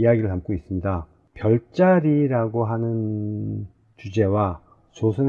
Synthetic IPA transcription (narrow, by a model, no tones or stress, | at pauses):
ijaɡiɾɯɭɦamk͈ois͈ɯmɲida | pjʌɭt͡ɕ͈aɾiɾaɡoɦanɯn | t͡ɕud͡ʑe̞wa | t͡ɕosʰɯn